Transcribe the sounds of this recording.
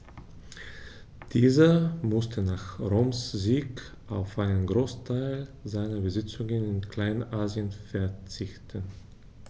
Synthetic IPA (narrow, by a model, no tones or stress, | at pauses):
d̥iːzɐmʊstʰənaːχʁoːmsziːk | ʔaʊfʔaɪnənɡʁoːstʰaɪlzaɪnɐbəzɪt͡sʊŋənɪnkl̥aɪnʔaːziənfɛɐt͡sɪçtʰən